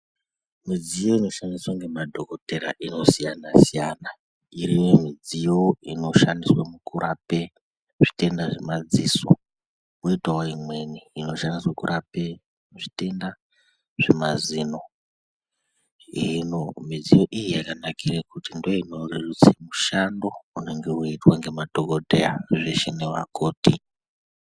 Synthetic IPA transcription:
mid͡zijo̞ino̞ʃandiswaŋɡe̞madʱo̞ko̞teɾa̰ʔino̞sijanasijaːna | iɾijomid͡zijo̞ino̞ʃandiswamukuɾʔape̞ | ʐi̥te̞ndaʐemad͡ziːso̰ | koitwaoimwe̞niːno̞ʃandiswakuɾʔape̞ | ʐite̞nda | ʐ̥e̞mazino̞ | inomid͡zijo̞ʔijijakanakʰirekutindoinorerut͡simuʃando̞une̞ŋɡe̞uitwaŋɡe̞madʱoɡodʱeaʐeʃenewa̰kʰoːti

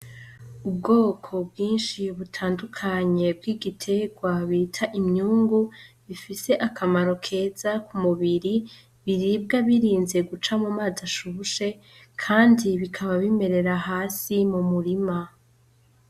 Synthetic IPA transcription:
ub̚ɡo̞ːkʰo̞bɡiːnʃiβutʰaːndukʰaɲe̞b̚ɡiɡitʰe̞ɡwaβitʰaʔimɲuːŋɡuβifise̞ʔakamaɾo̞kʰe̞ːz̥akumuβiɾi | βiɾib̚ɡaβiɾiːnze̞ɡut͡ʃamumaːzaʃuʃe̞ | kʰaːndiβikʰaβaβime̞ɾe̞ɾaɦaːsimumuɾima

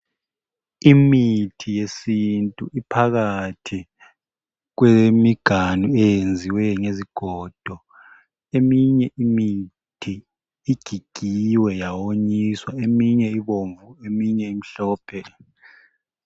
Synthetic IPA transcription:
imitʰijesintʼuʔipʰaɣatʰi | ɣ̬wemiɡ̥ʱanuɛjend͡zʱiwɛŋeziɡ̥ʱɔd̥ʱɔ | emiɲɛimi | tʰiː | ɡ̥ʱiɡ̥ʱiwɛjawoɲiswaemiɲɛiβoɱvuemiɲɛimiɬɔːpʰɛ

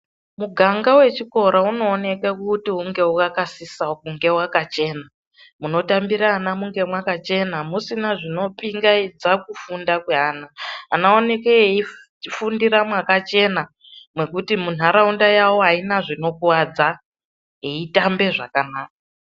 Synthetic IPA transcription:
muɡʱaŋɡawe̞t͡ʃiko̞ɾauno̞ːne̞kekutiuŋɡe̞ukakasisaokuŋɡe̞wakat͡ʃe̞ːna | muno̞tambiɾaːnamuŋɡe̞mwakat͡ʃe̞namusinaʐino̞piŋɡaid͡zakufundakweɦaːna̰ːnaone̞keei | fundiɾamwakat͡ʃe̞na | mwe̞kutimun̤aɾaundajawo̞ainaʐino̞kwad͡za | ɦeitambe̞ʐa̰kanaːk̚a

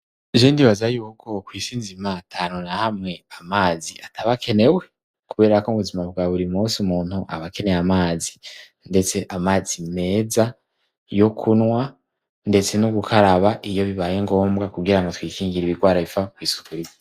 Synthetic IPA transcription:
ʒiːndiβazajuːkʰo̞kwiːsiːnzimatʰaːnonahamŋe̞amaːziatʰaβakʰe̞ne̞we̞ | kuβe̞ːɾakoβuzimaβɡaβuɾimusumuːnhuʔaβake̞ne̞jamaːzi | nde̞t͡se̞ʔamaːzime̞ːza | jokʰunŋwa | nde̞t͡se̞nuɡukʰaɾaβaʔijo̞βiβaːje̞ŋɡo̞ːmbɡakuɡiɾaŋɡo̞twiːkiːŋɡiɾiβiɡwaːɾaβifakwiːsu̥kuɾi

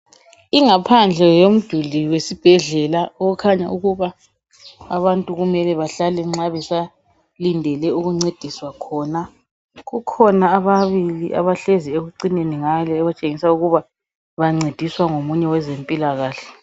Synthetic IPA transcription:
iŋapʰand͡ɮʱɛjom̩d̥ʱuliwesib̥ʱɛɮɛlaɔukʰaɲa̰uɣuβaː | βantʼuɣumɛlɛβaɬalɛŋ͡ǁaβɛsa | lindʱɛlɛuɣuŋ͡ǀed̥ʱiswakʰɔːna | ɣukʰɔnaːβaβiliʔa̰βaɬezieɣuǀineniŋalɛɣat͡ʃʼeŋisauɣuβa | βaŋ͡ǀed̥ʱiswaŋomuɲɛwɛzempʼilaɣaːɬɛ̥

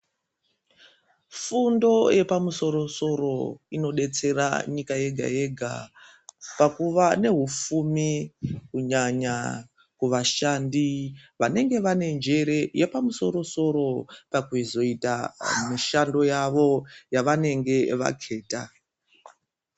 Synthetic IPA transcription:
fundo̞jʔe̞pamuso̞ɾo̞so̞ro̞ino̞ɗe̞t͡se̞ra̰ɲikaje̞ɡʱa̰je̞ɡʱa̰ | pakuʋane̞ɦufumikuɲaɲa | kuʋaʃandiʋane̞ŋɡe̞ʋane̞nd͡ʒe̞ɾe̞jepamuso̞̰ɾo̞so̞ɾo̞pakuzo̞itamiʃando̞jaʋo̞jaʋane̞ŋɡe̞ʋa̰kʰe̞ːta

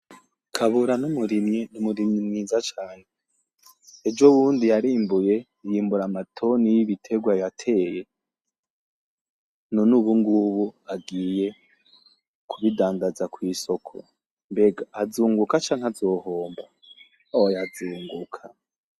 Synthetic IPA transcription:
kʰaβuɾanumuɾimɲenumuɾimɲimŋiːzat͡ʃaːneː | d͡ʒoβuːndijaɾiːmbuje̞ | jiːmbuɾamatʰo̞nijiβitʰe̞ɡwajatʰe̞ːje̞ | nonuβuŋɡuβuaɡiːje̞ | kʰuβidaːndazakwiːso̞kʰo̰ | mbe̞ɡaːzuːŋɡukat͡ʃaːŋ̥azo̞ːho̞ːmba | ojazuːŋɡukʰa

